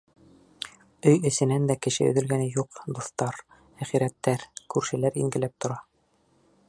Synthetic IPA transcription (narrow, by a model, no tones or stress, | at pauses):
ɵjɘ̆sɘ̆nænd̪ækɘ̆ʃɘ̰ɵ̰̆ðɘ̆lɡænɘjuqd̪ŏθt̪ɑɾ | æχiɾæt̪ːæɾkʉɾʃɘ̆læɾḭŋɡɘ̆læp̚t̪ŏɾɑ